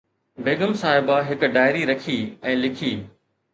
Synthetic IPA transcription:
beːɡəmsaːɦɪbaɦɪkɖaːɪɾiɾɐkʰiɛ̃ːlɪkʰiː

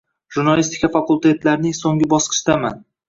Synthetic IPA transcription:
ʒ̥uɾnalist̪ɪ̥kʰʲafakulˠt̪ʰe̞t̪laɾnɪŋsoŋɡɪbɒsqʰɨ̥ʃd̪ama̰n

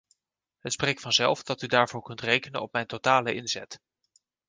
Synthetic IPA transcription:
ɦətsprejk̚tfɑnzɛ̰lˠfdɑtydaːɹvʊːɹkɵntrejkənənɔp̚mɛjntotaːləʔɪnzɛt

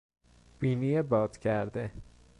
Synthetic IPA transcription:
b̥iːnijebɒːd̪̥cʰæɾd̪e

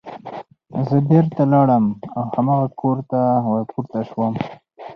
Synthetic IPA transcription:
zəbeɾt̪alɑɽəmawhamaɣakʰoɾt̪awapuɾt̪aʃwəm

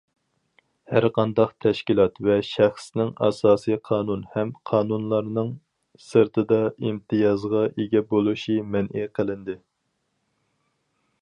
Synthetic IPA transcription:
hæɾqɑnd̪ɑqt̪ʰɛʃkʲilˠɑt̪vɛʃæχsnɪŋɑ̰sɑːsijqʰɑːnunhɛmqʰɑːnunlˠɑɾnɨŋ | sɨɾt̪ʰɨd̪ɑimt̪ʰɨjɑzʁɑʔeɡʲɛbolˠuʃimɛnʔiqʰəlˠɪnd̪ɪ

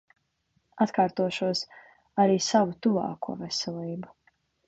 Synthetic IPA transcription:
at̪kaːɾt̪uɔʃuɔs | aɾiːsavut̪uva̰ːkʰuɔvɛsɛlˠiːbu

